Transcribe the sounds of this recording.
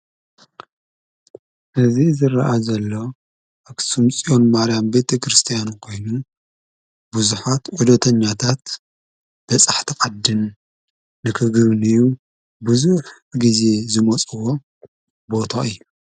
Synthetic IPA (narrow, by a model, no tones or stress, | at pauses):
ʔɨzizɨrɐʔazɐlːo̞ | ʔɐksumt͡sʼio̞nmaɾijambet̪ʰekɾɨst̪ʰijankʰo̞jnu | buzuħat̪ʕud̪ɐt̪ʰɐɲːat̪ʰat̪ | b̥ɐt͡sʼaħt̪ʰiqʼad̪ːɨnː | ɨkʰɨɡβɨnɨjːu | buzuħ | ɡize̞zɨmɐt͡sʼɨwo̞ | bo̞t̪ʰaɨjːu